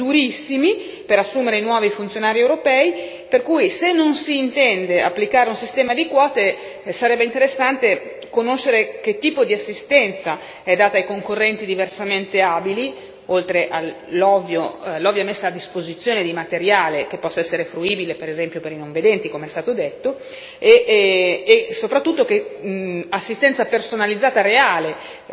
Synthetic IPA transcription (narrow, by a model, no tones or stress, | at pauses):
d̪uɾisːimi | peɾasːuːmeɾenwɔːvifunt̪sjonaːɾiewɾopɛːi | perkujsenːonsiːnt̪ɛnd̪ea̰pːlikaːɾeunsist̪ɛːmad̪ikwɔːt̪e | saɾɛbːeint̪eɾesːant̪e | konoʃːeɾek̟et̪ːiːpod̪iasːist̪ɛnt̪sa | ɛd̪aːt̪aːjkoŋkorːɛnt̪id̪iversament̪eabili | olt̪ɾeʔa | lɔvjolɔvjaɛmesːaːd̪ːispozit̪sːjoːned̪imat̪eɾjaːlek̟epːɔsːaɛsːeɾefɾuiːbilepeɾezɛmpjopeɾinoɱved̪ɛnt̪ikomeɛst̪aːt̪od̪et̪ːo | eː | sopɾat̪ːut̪ːoke | asːist̪ɛnt̪sapersonalid̪zaːt̪aɾeaːle